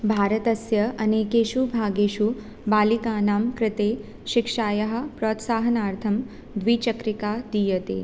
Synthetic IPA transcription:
bʱaːɾɐt̪ɐsjɐɐneːkeːʃubʱaːɡeːʃu | baːlikaːnaːmkɾɪt̪eː | ʃikʂaːjɐɦɐ̆pɾoːt̪saːɦɐnaːɾt̪ʰɐm | d̪ʋiːt͡ʃɐkɾikaːd̪ijɐt̪ḛː

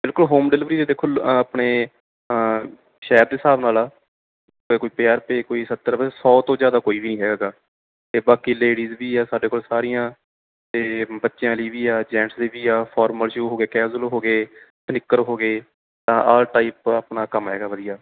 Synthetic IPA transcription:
bɪlkʊlɦoːmɖɪlɪʋɾiːt̪eːd̪eːkʰːoːlaːpɳeː | ʃɛːɾd̪eːsaːbnaːlaː | koːiːpeaːɾpeːkoːiːsət̪ːəɾsɔːt̪õːzjaːd̪aːkoːiːbiːnĩːɦɛːɡaːɡaː | t̪eːbaːkiːleːɽiːzbiːɛːsaːɖeːkoːlsaːɾijãː | t̪eːbətːʃɪjãːliːʋiːaːd͡ʒɛ̃ːʈsleːbiːaːpʰɔːɾməlʃɾuːɦoːɡeːkɛːd͡ʒʊlɦoːɡeːsənɪkːəɾɦoːɡeː | t̪ãːʔaːlʈaːiːpapnaːkəmɦɛ̰ːɡaːʋəd̪ijaː

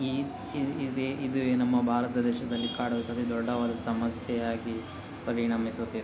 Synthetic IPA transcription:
i | ideid̪unɐmːɐbʱaːɾɐt̪ɐd̪ɛːʃɐd̪ɐlːikaːɽɐʋet̪ːɐd̪id̪ɔɖːɐʋaːd̪ɐsɐmɐsjɛjaːɡi | pɐɾiɳɐmisut̪ːed̪

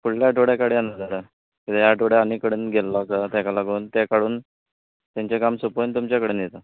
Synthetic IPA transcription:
fuɭljaʈoɽjakaɽianad͡z̪aɾa | kit̪ejaʈoɽjaanikəɽəːnɡʱelːakat̪jakalaɡuːnt̪ekaɽuːn | t̪jãɲt͡ɕekamsəpont̪umt͡ɕjakəɽenjet̪a

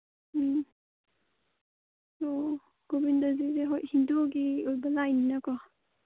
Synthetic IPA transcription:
o | ɡ̥obindazizeɦoʔhindoɡiojbɐlajninakɔ

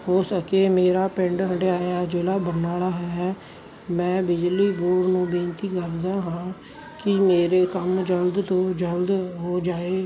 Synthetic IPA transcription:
hoːsəkeːmeːɾaːpɪ̃ɳɖɦəɽeaːjaːd͡ʒeːɽaːbənaːlaːɦɛɛː | mɛ̃ːbɪd͡ʒliːboːɽnũːbẽːnt̪iːkəɾd̪ãːɦãː | kɪmeːɾeːkəmd͡ʒəld̪t̪õːd͡ʒəld̪ɦoːd͡ʒaːeː

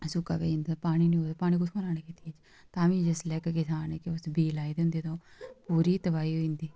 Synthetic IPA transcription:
sʊka̰ːbḛːĩnd̪aːpaːɽ̃iːnĩːoːd̪aːpaːɽ̃iːkʊsʰkʰõːnaːneːkit̪ieːt͡ʃ | t̪aːʋĩːd͡ʒəslɛːkkɪsaːneːkɪʊsbiːlaːiːd̪eʊ̃nd̪eːt̪õːpuːɾiːt̪əʋaːiːɦoːĩːnd̪iː

